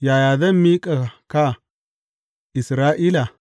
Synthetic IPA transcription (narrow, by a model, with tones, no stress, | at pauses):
ja˨ja˨da˦mi˦kʼa˨ka˦ | i˨sɾa˦ʔi˦la˨